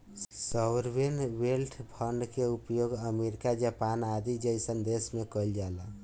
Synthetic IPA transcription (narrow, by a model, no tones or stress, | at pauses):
səwɾbenwelʈʰpʰəɳɖkeupjoɡəmeɾikad͡ʒapanad̪id͡ʒəjsənd̪esmekəld͡ʒalə